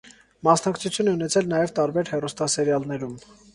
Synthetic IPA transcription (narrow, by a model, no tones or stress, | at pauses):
mɑsnɑkt͡sʰut͡sʰjunɛunɛt͡sʰɛlnɑjɛvt̪ɑɾbɛɾhɛrust̪ɑsɛɾjɑlnɛɾum